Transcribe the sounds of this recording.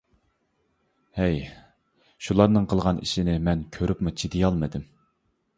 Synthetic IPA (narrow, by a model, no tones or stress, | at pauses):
hɛj | ʃulˠɑɾnɨŋqʰəlˠʁɑnʔḭʃinɪmɛnkʲʰøɾypmut͡ʃʰid̪ijɑlˠmɨd̪ɪm